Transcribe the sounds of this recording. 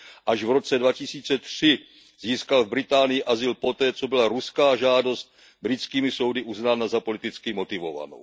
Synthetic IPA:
ʔaʒvɾo̞t͡sɛdvacɪsiːt͡sɛt̪r̝̥ɪ | z̥iːskalvbɾɪt̪aːnɪjɪʔazɪlpo̞t̪ɛːt͡so̞bɪlaɾuskaːʒaːdo̞st̪̚ | bɾɪt͡skiːmɪso̞wdɪʔuznaːnazapo̞lɪt̪ɪt͡skɪmo̞t̪ɪvo̞̰va̰no̰w

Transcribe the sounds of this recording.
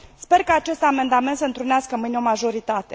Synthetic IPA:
spe̞rkaːt͡ʃe̞st̪ame̞nd̪ame̞nt̪səɨnt̪ɾuneaskəmɨneo̞maʒo̞ɾit̪at̪e̞

